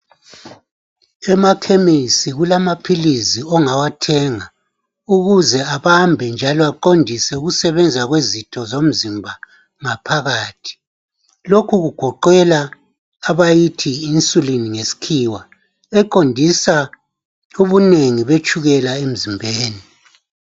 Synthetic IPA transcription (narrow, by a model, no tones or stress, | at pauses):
ɛmakʰemisiɣulamapʰiliziɔŋawatʰɛŋa | uɣuzɛaβambʱɛnd͡ʒʱalɔaǃondʱisɛuɣusɛβɛnd͡zʱaɣwezitʰɔzom̩zimbʱa | ŋapʰaɣaːtʰi̥ | lokʰuɣuɡ̥ʱɔǃɛlaː | βajitʰiːnsʼuliniŋesi̥kʰiːwa | ɛǃondʱisa | uβuneŋiβet͡ʃʼʰuɣɛlaem̩zimbʱeːni